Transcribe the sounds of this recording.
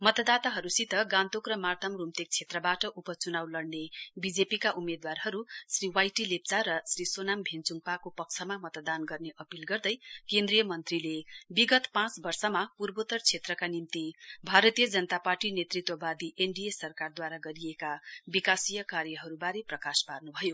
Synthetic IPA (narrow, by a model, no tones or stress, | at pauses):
mʌt̪d̪at̪aɦʌɾusit̪ʌɡãnt̪okrʌmart̪ʰʌmrumt̪ek̚t͡sʰet̪rʌbaʈʌʔupʌt͡sunawlʌɽnebid͡zepikaʔumed̪warɦʌɾusriwajʈilep̚t͡saɾʌsrisonambʱent͡suŋpakopʌk̚t͡sʰʌmamʌt̪d̪anɡʌrneʔʌpilɡʌrd̪ʌjkend̪rijʌmʌnt̪rilebiɡʌt̪pãt͡sbʌrsʌmapurbot̪ʌrt͡sʰet̪rʌkanimt̪ibʱaɾʌt̪ijʌd͡zʌnʌt̪aparʈinet̪rit̪wʌbad̪iʔeɳɖiesʌrkard̪waɾaɡʌɾijekabikasijʌkarjʌɦʌɾubaɾeprʌkasparnubʱʌjo